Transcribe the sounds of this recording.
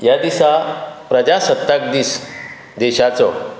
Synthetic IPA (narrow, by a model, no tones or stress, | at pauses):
jad̪isapɾəd͡ʑasət̪ːak̚d̪iːs | d̪eɕat͡sɔ